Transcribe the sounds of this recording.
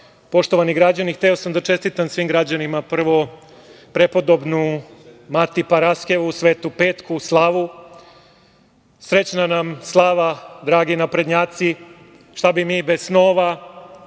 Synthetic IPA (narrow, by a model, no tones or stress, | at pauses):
po̞ʃt̪o̞ʋaniɡɾad͡ʑanixt̪eo̞samd̪at͡ʃe̞st̪it̪amsʋiːmɡɾad͡ʑanimapr̩ʋo̞ | pɾe̞po̞d̪o̞bnumat̪ipaɾaskeʋusʋe̞ːt̪upe̞ːt̪kuslˠaːʋu | sɾe̞t͡ɕnanamslˠaːʋad̪ɾaːɡinapɾe̞d̪ɲaːt̪si | ʃt̪abimiːbe̞zsnoːʋa